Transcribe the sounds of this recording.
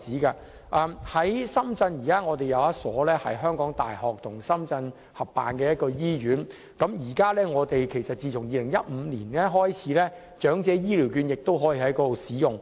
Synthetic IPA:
t͡siː˨˥kɐ˧ | ʔɐː˧mhɐ˨˥jsɐ˥mt͡sɐ˧njiː˨˩kaː˥ŋɔː˨˧t̪e˨jɐ˨˧wjɐ˥tsɔː˨˥lɛː˥hɐ̰˨jɦœː˥ŋkɔː˨˥ŋt̪a̰ː˨jhɔː˨k̚t̪ʰʊ˨˩ŋsɐ˥mt͡sɐ˧n | hɐ˨pːa̰ː˨nkɛː˧jɐ˥t̚kɔː˧jiː˥jyː˨˥n | kɐ˨˥mjiː˨˩kaː˥lɛː˥ŋɔː˨˧t̪e˨jkʰe˨˩jsɐ˨t̚t͡siː˨˧t͡sʰʊ˨˩ŋjiː˨˧lɪ˨˩ŋjɐ˦˥t̚m̩ː˨˧liː˨˩nɛː˥ɦɔː˥jt͡sʰiː˨˥lɛː˥ | t͡ʃœː˨˥ŋt͡sɛː˨˧jiː˥li˨˩wkyː˨˧njɪ˨k̚t̪o˥wɦɔː˨˥jiː˧˩ɦɐ˨˥jkɔː˧˥lo˨˧wsiː˨˥jʊ˨˩ŋ

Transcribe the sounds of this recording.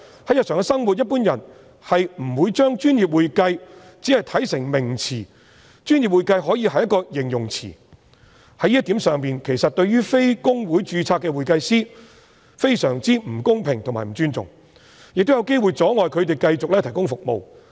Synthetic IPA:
hɐ˨˥jɐ˨t̚sœː˨˩ŋɛ˧sɐ˥ŋwu˨t̚jɐ˥t̚puː˥njɐ˨˩n | hɐ˨jm̩˨˩wuː˨˧jt͡ʃœː˥ŋt͡ʃyː˥njiː˨p̚wuː˨jkɐ˧j | t͡siː˨˥hɐ˨jt̪ʰɐ˨˥jsɪ˨˩ŋmɪ˨˩ŋt͡sʰiː˨˩ | t͡ʃyː˥nji˨˩p̚wuː˨jkɐ˧jɦɔː˨˥jiː˨˧hɐ˨jɐ˥kːɔː˧jɪ˨˩ŋjʊ˨˩ŋt͡sʰḭː˨˩ | hɐ˨˧˥jiː˥t̪i˨˥msœː˨ŋpiː˨nkʰe˨˩jsɐ˨t̚t̪ɵ˧ɥɥyː˥fe˥jkʊ˥ŋwuː˨˥jt͡ʃyː˧t͡sʰaː˧kːɛː˧wuː˨˩jkɐ˧jsiː˥ | fe˥jsœː˨˩ŋt͡siː˥m̩˨˩kʊ˥ŋpʰɪ˨˩ŋt̪ʰʊ˨˩ŋmaː˨˩jm̩˨˩t͡ʃyː˥nt͡sʊ̰˨˩ŋ | jɪ˨k̚t̪jɐ˨˧wke˥jwu˨˩jt͡sɔː˨˥ŋɔː˨jkʰɵ˨˧ɥt̪̬e˨jkɐ˧jt͡sʊ˨k̚lɛː˥t̪ʰɐ˨˩jkʊ˥ŋfʊ˨k̚mo̰˨˧w

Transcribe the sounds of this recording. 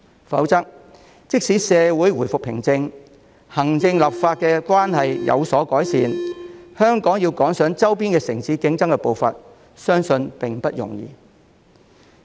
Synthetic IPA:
fɐ̰˨˥wt͡sɐ˥k̚ | t͡sɪ˥k̚siː˨˥sɛː˨˧wu˨˥jwuː˨˩jfʊ˨k̚pʰɪ˨˩ŋt͡sɪ˧ŋ | hɐ˨˩ŋt͡sɪ˧ŋlɐ˨p̚faː˧t̚kɛː˧kwʷaː˥nhɐ˨jjɐ̰˨˧wsɔː˨˥kɔː˨˥jsiː˨˧nhœː˥ŋkɔː˨˥ŋjiː˧wkɔː˨˥ŋsœː˨˥ŋt͡sɐ˥wpiː˥nkɛː˧sɪ˨˩ŋsiː˨˥kɪ˨˥ŋt͡sɐ˥ŋkɛ˧po˨˧wfɐ̰˨t̚ | sœː˥ŋsɵ˧npɪ˨ŋpɐ˥t̚jʊ̰˨˩ŋjḭː˨˧

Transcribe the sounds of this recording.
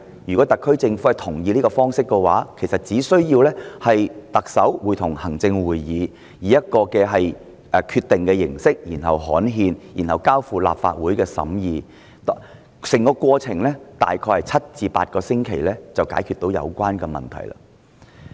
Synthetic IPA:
jyː˨˩kɔ˨˥t̪ɐ˨kʰːɵ˥ɥt͡sɪ˧ŋfu˨˥hɐ˨jt̪ʰʊ˨˩ŋjiː˧liː˥kɔ˧fɔː˥ŋsɪ˥kːɛ˧wa̰ː˨˥kʰe˨˩jsɐ˨t̚t͡siː˨˥sɵ˥ɥjiː˧wlɛː˥hɐ˨jt̪ɐ˨k̚sɐ˨˥wwu˨˩jt̪ʰʊ˨˩ŋhɐ˨˩ŋt͡sɪ˧ŋwuː˨˩jːiː˨˧ | jiː˨jɐ˥t̚kɔː˧kɛː˧ɦɐ˨j | kʰy˧t̚t̪ːɪ˨ŋkɛː˧jɪ˨˩ŋsɪ˥k̚jiː˨˩nɦɐ˨wɦɔː˨˥nɦiː˧njiː˨˩nhɐ˨wkaː˥wfuː˨˧la̰ː˨p̚fa̰ː˧t̚wuː˨˥jkɛː˧sɐ̰˨˥mjiː˨˧ | t̪ | sɪ˨˩ŋkɔː˧kʷɔː˧t͡sʰɪ˨˩ŋlɛː˥t̪a̰ː˨jkʰɔː˧jhɐ˨˩jt͡sʰɐ˥t̚t͡siː˧pa̰ː˧t̚kɔː˧sɪ˥ŋkʰe˨˩jlɛ˥t͡sɐ˨wkaː˨˥jkʰy˨t̪o˨˥wjɐ̰˨˧wkʷaː˥nkɛː˧mɐ̰˨˩nt̪ʰɐ̰˨˩jla̰ː˧

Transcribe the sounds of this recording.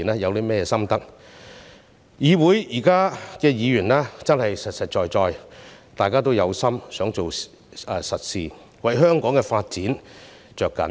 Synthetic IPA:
nɛː˥jɐ˨˧wlɛ˥mɛː˥jɛː˧sɐ˥mt̪ɐ˥k̚ | jiː˨wuː˨˥jjiː˨˩kaː˥kɛː˧jiː˨˧jyː˨˩nlɛː˥t͡sɐ˥nhɐ˨jsɐ˨t̚sɐ˨t̚t͡ʃɔː˨˧jt͡sɔː˨˧jt̪aː˨˩jkaː˥t̪o˥wjɐ˨˧wsɐ˥msœː˨˥ŋt͡so˨w | ɛː˨˩sɐ˨t̚siː˨ | wɐ˨jɦœː˥ŋkɔː˨˥ŋkɛː˧faː˧t̚t͡siː˨˥n | t͡ʃœː˨kːɐ̰˨˥n

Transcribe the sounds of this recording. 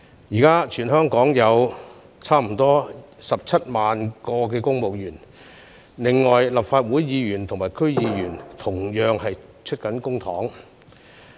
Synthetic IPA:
jiː˨˩kaː˥t͡ʃʰyː˨˩nɦœː˥ŋkɔː˨˥ŋjɐ˨˧w | t͡sʰaː˥m̩˨˩t̪ɔː˥ | sɐ˨p̚t͡sʰɐ˥t̚maː˨nkɔː˧k̬ɛː˧kʊ˥ŋmo˨wjyː˨˩n | lɪ˨ŋːɔː˨jlɐ˨pfaː˧t̚wuː˨˥jjiː˨˧jyː˨˩nt̪ʰʊ˨˩ŋmaː˨˩jkʰɵ˥ɥjiː˨˧jyː˨˩nt̪ʰʊ˨˩ŋjœː˨˧ŋhɐ˨jt͡ʃʰɵ˥t̚kɐ˨˥nkʊ˥ŋt̪ʰɔː˨˥ŋ

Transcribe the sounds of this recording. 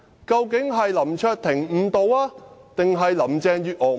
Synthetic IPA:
kɐ˧wkɪ˨˥ŋɦɐ˨jlɐ˨˩mt͡ʃʰœː˧t̚t̪ʰɪ˨˩ŋm̩ː˨˩t̪o˨˧waː˧˥t̪ɪ˨ŋɦɐ˨jlɐ˨˩mt͡sɛː˨˧ŋjyː˨t̚ʔɔː˨˩

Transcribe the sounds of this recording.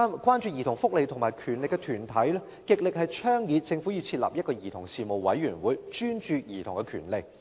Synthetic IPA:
kwaː˥nt͡ʃy˧jiː˨˩t̪ʊ˨˩ŋfʊ˥k̚le˨˧jt̪ʰʊ˨ŋmaː˨˩jkʰyː˨˩nlɪ˨kːɛ˧t̪ʰyː˨˩nt̪ʰɐ˨˥jlɛ˥ | kɪ˨k̚lɪ˨k̚hɐ˨jt͡ʃʰœː˥ŋjiː˨˧˥t̚t͡sɪ˧ŋfu˨˥jiː˨˧˥t͡sʰi˧t̚la̰ː˨p̚jɐ˥t̚kɔː˧jiː˨˩t̪ʰʊ˨˩ŋsiː˨˩mo˨wwɐ˨˧˥jːyː˨˩nwuː˨˥jt͡ʃyː˥nt͡ʃyː˧jiː˨˩t̪ʰʊ˨˩ŋkɛ˧kʰy̰ː˨˩nle˨˩k̚

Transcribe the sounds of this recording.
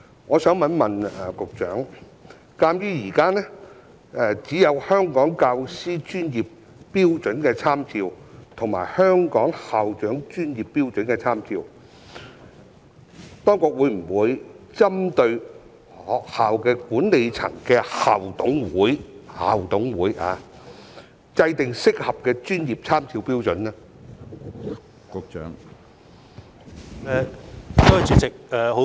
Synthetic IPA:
ŋɔː˨˧sœː˨˥ŋmɐ˨˥nmɐ˨nɛ˨kʊ˨k̚t͡ʃœː˨˥ŋ | kaː˥mjyː˥jiː˨˩kaː˥nɛː˥ | ɛ˨t͡siː˨˥jɐ˨˧whœː˥ŋkɔː˨˥ŋkaː˧wsiː˥t͡ʃyː˥nji˨pː | iː˥wt͡ʃɵ˨˥nkɛː˧t͡sʰaː˥mt͡siː˧wt̪ʰʊ˨˩ŋma̰ː˨˩jhœː˥ŋkɔː˨˥ŋhaː˨wt͡ʃœː˨˥ŋt͡ʃyː˥njiː˨pːiː˥wt͡ʃɵ˨˥nkɛː˧t͡sʰaː˥mt͡siː˧w | t̪ɔː˥ŋkʊ˧k̚wuː˨˧jm̩˨˩wuː˨˧jt͡sɐ˥mt̪ɵ˧ɥ̚ː | haː˨wkɛː˧kuː˨˥nle˨jt͡sʰɐ̰˨˩ŋkɛː˧ha̰ː˨˩wt̪ʊ˨˥ŋwuː˨˥jha̰ː˨wt̪ʊ˨˥ŋwuː˨˥ja̰ː˨˧ | t͡sɐ˧jt̪ɪ˨ŋsɪ˥k̚hɐ˨p̚kɛː˧t͡ʃyː˥njiː˨p̚t͡sʰaː˥mt͡sʰiː˧wpiː˥wt͡sɵ˨˥nɛ˥ | kʊ˧k̚t͡ʃœ̰ː˨˥ŋ | ɛ˨˧˨t̪ɔː˥˨˩t͡sy˨t͡sɪ˨k̚ɛ˨ho˨˧

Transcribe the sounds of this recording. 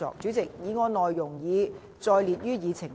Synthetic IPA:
ɔ̰ː˨k̚t͡ʃy˨˥t͡sɪ˨k̚jiː˨˧ŋɔː˨˧nɔː˨jːʊ˨˩ŋjiː˨˧ | t͡sɔː˧jliː˨t̚jyː˥jiː˨˧t͡sʰɪ˨˩ŋ

